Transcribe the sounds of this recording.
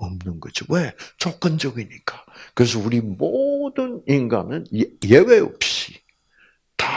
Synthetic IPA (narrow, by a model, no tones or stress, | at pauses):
ʌmnɯnɡʌd͡ʑowet͡ɕok̚k͈ɯnd͡ʑʌɡiɲik͈ḁkɯɾe̞s̬ʌuɾimodɯninɡanɯnje̞we̞ʌ̰p̚ɕ͈i̥ | ta